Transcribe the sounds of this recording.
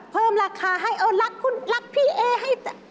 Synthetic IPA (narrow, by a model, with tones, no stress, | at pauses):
pʰɤː˧˥˩mlaː˧kʰaː˨˦ɦa˥˩jʔa˧˩la˦˥kʰːu˧˥˨nla˦˥k̚pʰiː˧˩ʔeː˧˩ɦa˥˩jt̪a˧˩